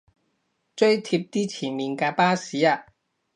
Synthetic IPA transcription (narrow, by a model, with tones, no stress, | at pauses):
t͡ʃɵ˥ɥt̪ʰi˧p̚t̪iː˥t͡sʰiː˨˩nmiː˨˩nkaː˧paː˥siː˨˥aː˧